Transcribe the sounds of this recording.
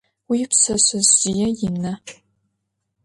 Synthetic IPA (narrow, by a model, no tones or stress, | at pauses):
wiːpsɐɕɐzʒijɛjɪmnɐ